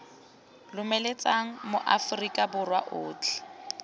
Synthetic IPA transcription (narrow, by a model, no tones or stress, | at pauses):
lʊmɛlet͡sʼaŋ̩moʔafrikʼabʊrwa̰ʔʊːt͡ɬʰɛ̥